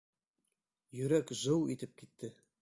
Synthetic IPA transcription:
jɵ̆ɾækzɤwit̪ɘp̚kit̪ːɘ

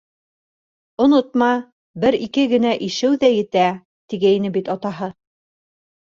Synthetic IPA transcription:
ŏnot̪̚mɑ | bɘɾikɘɡɘ̆næʔiʃɘwðæjɘ̆t̪æ | t̪iɡæinɘbit̪ɑt̪ɑɦɤ

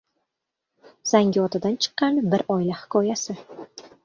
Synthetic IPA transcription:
z̥aŋɡʲɒt̪ʰad̪ant͡ʃʰɨ̥qːɑnbɪɾɒjlahɪ̥kʰɒjasɪ

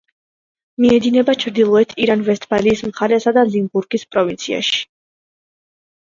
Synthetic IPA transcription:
miɛd̪inɛbat͡ʃʰɾd̪ilˠɔɛt̪ʰiɾanvɛst̪ʰbaliːsmχaɾɛsad̪alimbuɾɡispʼɾɔvint̪sʰia̰ʃi̥

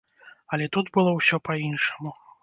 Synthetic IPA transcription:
ɐlʲɛt̪ut̪bɨlˠɔwsʲɔpainʂɐmu

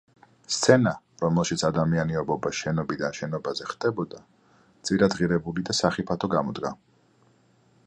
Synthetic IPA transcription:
st̪sʰɛna | ɾɔmɛlˠʃit̪sʰad̪amianiɔbɔbaʃɛnɔbid̪anʃɛnɔbazɛχd̪̥ɛbɔd̪a | d̪z̥ʼiɾad̪ʁiɾɛbulid̪asaχipʰat̪ʰɔɡamɔd̪ɡa

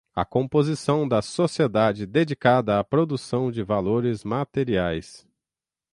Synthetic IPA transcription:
ɐ̰kõmpozisɐ̃w̃d̪ɐsosied̪ad͡ʒɪd̪ed͡ʒikad̪ɐːpɾod̪usɐ̃w̃d͡ʒɪvaloɾɪzmat̪eɾiajs

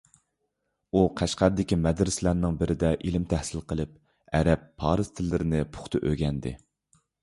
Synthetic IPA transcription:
uqʰæʃqæɾd̪ɪkʲimɛd̪ɾɪslæɾnɪŋbɪɾʔɪd̪ɛʔilɪmt̪ʰæhsɪlqʰəlˠɨp̚ | ɛɾɛpʰːɑːɾɨz̥t̪ʰɪlːɪɾɪnɪpʰʊ̥χt̪ʰɨʔøɡʲɛnd̪ɪ̰

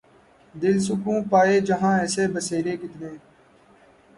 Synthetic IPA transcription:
d̪ɪlsʊkũːpaːeːd͡ʒəɦãːɛːseːbəseːɾeːkɪt̪neː

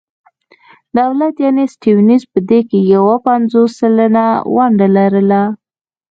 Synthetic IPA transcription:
d̪awlat̪janesʈewnizpəd̪ekejawapanzosːalənawaɳɖalaɾəla

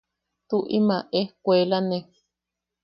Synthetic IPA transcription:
t̪uʔimãʔekʷelane

